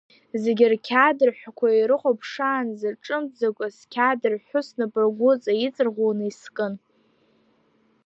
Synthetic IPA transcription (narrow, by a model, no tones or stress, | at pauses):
zeɡʲɪrkʲʰadɨrħʷᶣakʷʰaiɾɨχʷopʰʂaːnzɨrʈ͡ʂʼɨmd͡zakʷʼaskʲʰadɨrħʷʊsnɨpʼɨrɡʷʊt͡sʼajit͡sʼɨrʁʷonɨiskʼɨn